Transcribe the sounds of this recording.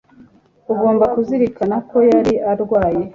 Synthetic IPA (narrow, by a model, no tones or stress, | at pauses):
uɡo̞ːmbakuziɾikanako̞jaɾiʔaɾɡwaːje̞